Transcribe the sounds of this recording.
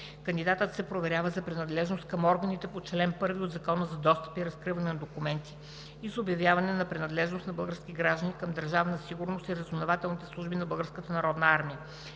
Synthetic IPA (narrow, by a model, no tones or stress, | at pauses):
kənd̪id̪at̪ət̪sɛpɾovɛɾjavəzɐpɾɛnɐd̪lɛʒnost̪̚kəmɔɾɡənit̪ɛpot͡ʃɛlɛmpɤɾviod̪zɐkɔnəzɐd̪ɔst̪ə̥piɾɐskɾivɐnɛnɐd̪okumɛnt̪i̥ː | zobjɐvʲjavɐnɛnɐpɾɛnɐd̪lɛʒnost̪nɐbɤlˠɡəɾsk̟ʲiɡɾaʒd̪ənikəmd̪ɐɾʒavənɐsiɡʊɾnost̪iɾɐzonovat̪ɛlˠnit̪ɛslˠuʒbinɐbɤlˠɡəɾskət̪ənɐɾɔd̪nəaɾmiə